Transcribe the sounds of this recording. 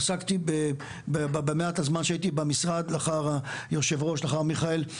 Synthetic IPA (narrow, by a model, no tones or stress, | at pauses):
sakt̪ibe | bebbemeat̪azmanʃeait̪ibamisʁad̪laχaʁajoʃevʁo̞ʃlaχaʁmiχael